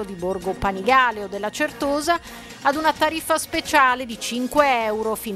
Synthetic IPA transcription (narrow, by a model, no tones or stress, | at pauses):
od̪iborɡopaniɡaːleod̪ːelːat͡ʃert̪oːzaː | d̪unat̪aɾifːaspet͡ʃaːled̪it͡ʃiŋkweɛwɾofin